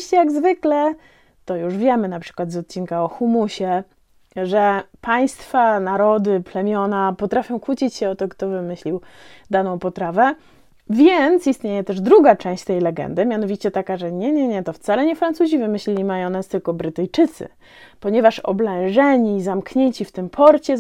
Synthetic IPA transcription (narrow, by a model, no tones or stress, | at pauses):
ɕt͡ɕɛjaɡzvɘklɛ | t̪ɔjuʐvʲjɛmɘnapʂɘ̥kwad̪zɔt̪̚t͡ɕinkaɔxumuɕɛ | ʐɛpaj̃st̪fanaɾɔd̪ɘplɛmʲjɔnapɔt̪ɾafʲjɔ̃w̃kwut͡ɕit͡ɕɕɛɔt̪ɔkt̪ɔvɘmɘɕlʲiwd̪anɔ̃w̃pɔt̪ɾavɛ | vʲjɛnt̪sist̪ʲɲejɛt̪ɛʐd̪ɾuɡat͡ʂɛ̃ɕt͡ɕt̪ɛjlɛɡɛ̰nd̪ɘmʲjanɔvʲit͡ɕɛt̪akaʐɛɲɛɲɛɲɛt̪ɔft̪salɛɲɛfɾant̪suʑivɘmɘɕlʲilʲimajɔ̃w̃nast̪ɘlkɔbɾɘt̪ɘjt͡ʂɘt̪sɘ̰ | pɔɲɛvaʂɔ̰blɛ̃ʐɛɲizamkɲeɲt͡ɕift̪ɘmpʰɔɾt͡ɕɛ